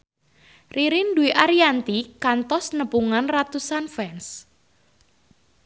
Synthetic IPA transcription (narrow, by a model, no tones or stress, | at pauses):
riɾɪnduiʔaɾiant̪ikant̪ɔsnəpuŋanrat̪usanfɛns